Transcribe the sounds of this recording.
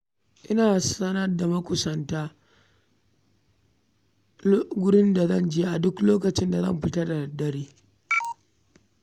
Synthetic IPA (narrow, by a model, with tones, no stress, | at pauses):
ʔɪ˦naː˨sɐ˦nɐ˦rda˨mɐ˦kʷʊ˨sɐ˨ntaː˦ | ɡʷʊ˦ɽɪ˦nda˨zɐ˦˨nd͡ʒeː˦ʔa˨dʊ˦kloː˦kɐ˨t͡ʃɪ˦nda˨zɐ̰˦˨mɸɪ˦tɐ˦da˨dɐ˦ɽiː˦